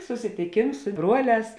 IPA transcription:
sʊsʲɪtʲɪˈkʲeːms sʊ ˈbruɔˌlʲɛːs

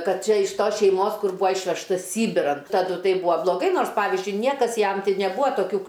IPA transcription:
ˈkɐt ˈt͡ʃʲɛ ɪʃ ˈtoːs ʃʲɛɪˈmoːs ˈkʊr ˈbuːɐ ˈɪʃʲʋʲɛʃtɐs ˈsʲiːbʲɪrɐn tɐˈdʊ ˈtɐɪ ˈbuːɐ blˠoːˈɡɐɪ ˈnoːrs ˈpɑːʋʲɪzʲd͡ʒʲʊɪ ˈnʲiɛkɐs ˈjɛm ˈtɐɪ nʲɛˈbuːɐ toːˈkʲuː

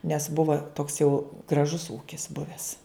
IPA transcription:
nʲɛs ˈbʊʋɐ toːks jɛʊ ɡrɐˈʒʊs ˈuːkʲɪs ˈbʊʋʲæːs

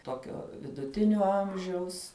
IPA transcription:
ˈtoːkʲoː ʋʲɪdʊˈtʲɪnʲoː ˈɐmʲʒʲɛʊs

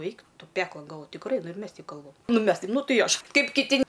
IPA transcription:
ˈɛɪk ˈtʊ ˈpʲæːklˠoːn ɡɐlˠˈʋoːj tʲɪkˈrɐɪ nʊ ɪr ˈmʲɛs ˈtʲɛɪp ˈkɐlˠbɐm ˈnʊ ɪ ˈmʲɛs tɐɪp ˈnʊ ˈtɐɪ ɪ ˈɐʃ ˈkɐɪp kʲɪˈtʲɪ

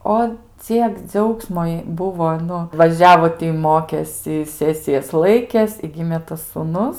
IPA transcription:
ˈoː ˈt͡sʲiɛk ˈd͡ʒʲɛʊksmoː jɛɪ ˈbʊʋoː ˈnʊ ʋɐˈʒʲæːʋoː tʲɪ ˈmoːkʲeːsʲɪ ˈsʲæːsʲɪjɛs ˈlˠɐɪkʲeːs ɪ ˈɡʲɪmʲeː tɐs suːˈnʊs

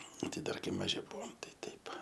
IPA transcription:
ˈtʲɪ ˈdɐr ˈkɐɪ mɐˈʒʲɪ ˈbʊʋoːm ˈtɐɪ ˈtʲɛɪp

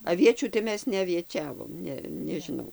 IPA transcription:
ɐˈʋʲiɛt͡ʃʲuː tɐɪ ˈmʲɛs nʲɛɐʋʲiɛˈt͡ʃʲæːʋoːm ˈnʲɛ nʲɛʒʲɪˈnɐʊ

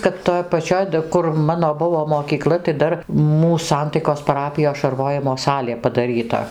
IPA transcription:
kɐt toːj pɐˈt͡ʃʲoːj dɐ kʊr ˈmɑːnoː ˈbʊʋoː moːkʲiːˈklˠɐ tɐɪ ˈdɐr ˈmuːs ˈsɐntɐɪkoːs pɐˈrɑːpʲɪjoːs ʃɐrˈʋoːjɪmoː ˈsɑːlʲeː pɐdɐˈrʲiːtɐ

